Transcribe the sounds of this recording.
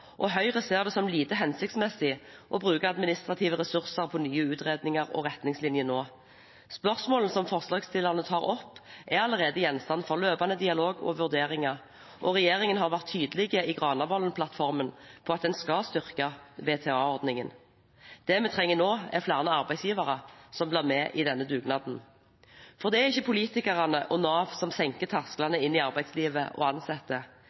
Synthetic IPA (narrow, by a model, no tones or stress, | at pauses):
ʔɔɦœʏʁəseːʁd̪ɛsɔmliːt̪əɦɛnsɪk̚t̪smɛsːɪʔɔbʁʉːkəɑd̪mɪnɪst̪ʁɑt̪ʰiːʋəʁɛsʉʁsəʁpʰɔnyːəʉːt̪ʁeːd̪nɪŋɑʁɔ̰ʁɛt̪nɪŋslɪnjənoː | spœʁsmoːln̩sɔmfɔʁslɑːɡst̪ɪlːɑʁnət̪ʰɑːʁɔpːʔæʁɑləʁeːd̪əjɛnst̪ɑnfɔʁløːpɑnəd̪ɪɑloːɡɔ̰ʋʉʁd̪eːʁɪŋɑ | ʔɔʁɛjeːʁɪŋənɦɑʁʋæʁt̪ʰːyːd̪əlɪɡəiɡʁɑːnɑʋɔlənpʰlɑt̪fɔʁmənpʰɔɑt̪̚d̪ɛnskɑlst̪ʏʁkɑʋeːt̪ʰɛːɑːɔʁd̪nɪŋən | d̪̥ɛmɛt̪ʰʁɛŋːənoːɛflæːʁnəɑʁbæɪsjiːʋɑʁəsɔmblæːʁmɛʔɪd̪ɛnːəd̪ʉːɡnɑːd̪n̩ | fɔʁd̪ɛæʁɪçːəpʰʊliːt̪ɪkəʁɑnəʔɔnɑːʋsɔmsɛŋkət̪ʰɑʁsklɑnəɪnːɪɑɾbæɪd̪sliːʋəʔɔ̰ɑnsɛt̪ːə